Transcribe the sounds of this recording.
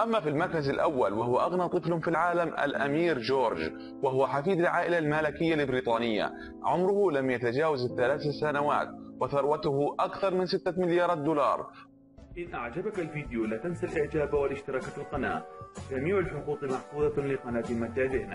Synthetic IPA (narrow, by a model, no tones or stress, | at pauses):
ʔamːafilmɑɾˤkazalʔawːalwahʊwaʔaɣnɑt̪ˤɨflhʊmfilʕaːlamʔa̰lʔa̰miːɾd͡ʒoːɾˤd͡ʒ | wahʊwaħafiːd̪alʕaːʔɪlalmalakɪjːalɪbɾiːt̪ˤɑːnɪjːa̰ | ʕʊmɾʊhʊlamjat̪ad͡ʒaːwazɪθːalaːθasanawa̰ːt̪wɪθɑɾˤwat̪ʊhʊʔakθɑɾˤmɪnsɪt̪ːamɪljɑːɾˤɑːt̪̚d̪uːlɑ̰ːɾˤ | ʔɪnʔaʕd͡ʒabakalfiːd̪ɪjulaːt̪ansalʔɪʕd͡ʒaːbwalɪʃt̪ɪɾɑːkalqɑna̰ːʔd͡ʒamiːʕalħʊquːt̪ˤmɑħfuːd̪ɑlɪqɑnaːt̪ɪmat̪ːaːðɪhna